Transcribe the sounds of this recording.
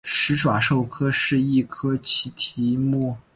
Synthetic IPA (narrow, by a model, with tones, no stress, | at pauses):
ʂɻ̩˧˥ʈ͡ʂwa˨˩ʂo˥˩ʊkʰɤ˥ʂɻ̩˥˧i˥˩kʰɤ˥t͡ɕʰi˧˥t̪ʰi˧˥mu˥˩